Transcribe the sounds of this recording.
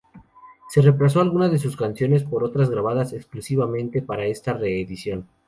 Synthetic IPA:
se̞re̞plas̬o̞alɣunaðe̞s̬uskansjo̞ne̞s̬po̞ɾo̞t̪ɾazɣɾaβ̞aðase̞ksklusiβamẽ̞nt̪e̞paɾae̞st̪are̞ːðisjo̞n

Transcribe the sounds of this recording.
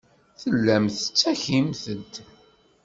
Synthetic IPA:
θəlːæmθə̥t͡sːæçimθəd̪

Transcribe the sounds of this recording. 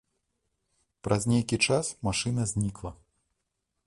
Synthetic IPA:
pɾʔɐzʲnʲejkʲit͡ʂasmaʂɨnɐzʲnʲiklˠɐ

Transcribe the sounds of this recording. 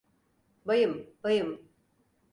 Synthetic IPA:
bajɯmb̥ajɯm

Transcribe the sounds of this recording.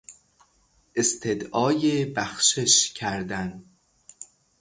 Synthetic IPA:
ʔest̪ʰed̪ʔɒːjebæxʃe̞ʃcʰæɾd̪æn

